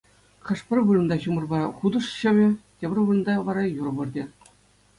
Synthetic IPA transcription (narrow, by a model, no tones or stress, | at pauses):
χʲɘ̆ʂpʲɘ̆rʲʋɯrɤ̆nd̪ɑɕumɤ̆rbɑχud̪ɤ̆ʂɕɘ̆ʋʲɘ̆tʲebʲɘ̆rʲʋɯrɤ̆nd̪ɑʋɑɾɑjurbɯ̆rdʲĕ